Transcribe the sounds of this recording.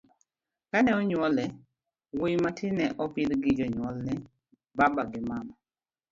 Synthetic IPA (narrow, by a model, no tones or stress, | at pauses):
kanɛɔɲwɔlɛ | wijmatʰɪnɛʔɔpɪd̪ɡɪd͡ʒɔɲwɔlnɛ | babaɡɪmama